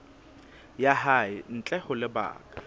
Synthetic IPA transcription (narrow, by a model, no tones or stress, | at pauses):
jahaɪn̩t͡ɬʼɛhʊlɪba̰ːkʼḁ